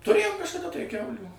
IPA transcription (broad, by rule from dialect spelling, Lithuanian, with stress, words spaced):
tʊˈrʲeːjoːm kɐʃkɐˈdɐ tɐɪ ˈkʲɛʊlʲuː